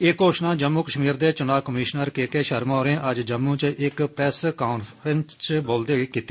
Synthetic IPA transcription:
eːkoːʃnãːd͡ʒəmːuːkəʃmiːɾd̪eːt͡ʃʊnaːkəmiːʃnəɾkeːkeːʃəɾmaːɾẽːʔəd͡ʒd͡ʒəmːũːt͡ʃʔɪkpɾɛːskaːnfɾənst͡ʃboːld̪eːiːkiːt̪ːiː

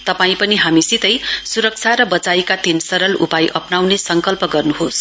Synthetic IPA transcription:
t̪ʌpaĩpʌniɦamisit̪ʌjsuɾʌk̚t͡sʰaɾʌbʌt͡sajkat̪insʌɾʌlṵpajʔʌpnawnesʌŋkʌlpʌɡʌrnuɦos

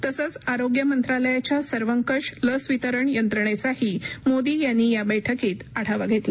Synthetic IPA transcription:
t̪əsət͡saɾoɡjəmənt̪ɾaləjat͡ɕjasəɾʋəŋkəʂləsʋit̪əɾəɳjənt̪ɾəɳet͡sahiːmod̪iːjanːiːjabəjʈʰəkiːt̪aɽ̤ʰaʋaɡʱet̪lə

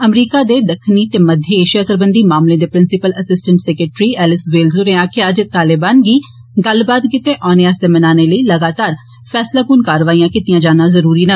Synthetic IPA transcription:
əmɾiːkaːd̪eːd̪əkʰniːt̪eːməd̪ʱjəeːʃijaːsəɾbənd̪iːmaːmlẽːd̪eːpɾɪnsɪpələsɪsʈəɳʈsɛːkɾəʈɾiːɛːlɪsʋɪlzoɾeãːkɪəd͡ʒt̪aːlɪbaːnɡiː | ɡəlbaːd̪kɪt̪eːʔɔːneaːsd̪eːmənaːneːləiːləɡaːt̪aːɾ | pʰɛːslaːkuːnkaːɾʋaːiːãːkɪt̪ijãːd͡ʒaːnãːzəɾuːɾiːnə

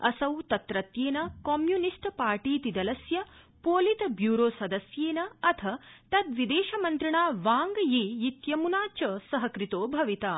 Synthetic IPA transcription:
ɐ̰sɐwt̪ɐt̪ɾɐt̪jeːnɐkomjunisʈpaːɾʈiːt̪id̪ɐlɐsjɐ | poːlit̪ɐbjuːɾoːsɐd̪ɐsjeːnɐɐt̪ʰɐt̪ɐt̪ʋid̪eːʃɐmɐnt̪ɾiɳaːʋaːŋɡjeːjit̪jɐmunaːt͡ʃɐsɐɦɐkɾit̪oːbʱɐʋit̪aː

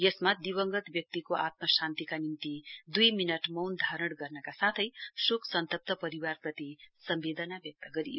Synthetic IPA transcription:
jʌsmad̪iwʌŋɡʌt̪bjʌk̚t̪ikoʔat̪̚mʌsant̪ikanimt̪id̪ujminʌʈmʌwnd̪ʱaɾʌɽɡʌrnʌkasat̪ʰʌjsukʰsʌnt̪ʌp̚t̪ʰʌpʌɾiwarprʌt̪isʌmbed̪ʌnabjʌk̚t̪ʌɡʌɾḭjo

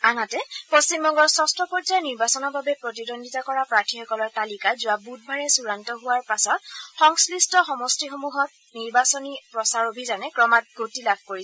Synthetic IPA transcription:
anatɛpost͡ʃimbɔŋɡɔɹsɔstɹɔpɔzajniɹbasɔnɔɹbabɛpɹot̬idondʱitakɔɹapɹatʰixɔkɔlɔɹtalikazʊwabud̚bʱaɹɛsuɹantɔɦʊwaɹpasɔt̚xɔŋslistɔxɔmɔstixomuɦɔt̚ | niɹbasɔnipɹɔsaɹobʱizanɛkɹɔmat̚ɡotilab̚ʰʱkoɹisɛ

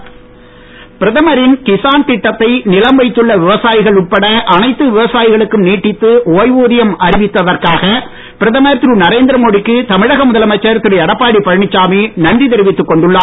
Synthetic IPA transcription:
pɪɾɐðɐmɐɾɪnkɪsaːnt̪ɪʈːɐt̪ːɐɪnɪlɐmbɐɪt̪ːɯɭːɐʋɪʋɐsaːjɪɣɐɭʊʈ̚pɐɽɐʔɐnɐɪt̪ːɯʋɪʋɐsaːjɪɣɐɭɯkːɯmniːʈːɪt̪ːɯʔoːjʋuːðɪjɐmɐɾɪʋɪt̪ːɐðɐrkaːɣɐ | pɪɾɐðɐmɐɾt̪ɾuːnɐɾeːnd̪ɪɾɐmoːɽɪkːɯt̪ɐmɪɻɐɣɐmʊðɐlɐmɐt͡ʃːɐɾt̪ːɯɾɪjɐɽɐpːaːɽipɐɻɳɪt͡ʃːaːmiːnɐnɖit̪ɛɾɪʋɪt̪ːɯkːɔɳɖɯɭːaː

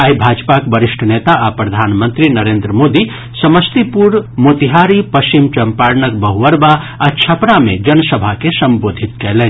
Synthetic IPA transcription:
aibʱaːd͡ʒpakbəɾɪʃʈʰəneːt̪aʔapɾɐd̪ʱaːnmə̃nt̪ɾinəɾeːnd̪ɾəmoːd̪i | sɐməst̪ipuɾmoːt̪iɦaːɾipɐst͡ʃimt͡ʃɐmpaːɾnək̚bəɦuʋəɾba | ɐt͡ʃʰɐpnamẽd͡ʒɐnəsəbʱakesɐmboːd̪ʱɪt̪kɛɦleː

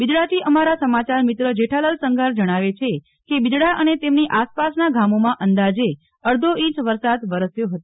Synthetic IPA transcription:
bid͡ʒɽat̪ʰiʔəmaɾasəmat͡ʃaɾmit̪ɾəd͡ʒeʈʰaləlsəŋɡʱaɾd͡ʒəɽ̃aʋet͡ʃʰe | kebid͡ʒɽaʔənet̪emniʔaspasnaɡamomãʔənd̪ad͡ʒe | əɾd̪ʱoĩt͡ʃʋəɾsad̪ʋəɾəsjoɦət̪o

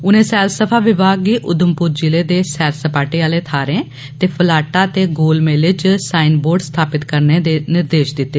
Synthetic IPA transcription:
ʊnẽːsɛːlsəpʰaːʋɪbaːɡiːʔʊd̪əmpʊɾd͡ʒɪleːd̪eːsɛːɾsəpaːʈiːaːleːt̪ʰaːɾẽː | t̪eːpʰəlaːʈaːt̪eːɡoːlmeːlɪt͡ʃsaːinboːɾɖst̪ʰaːpɪt̪kəɾneːd̪eːnɪɾd̪eːʃd̪ɪt̪ːeː

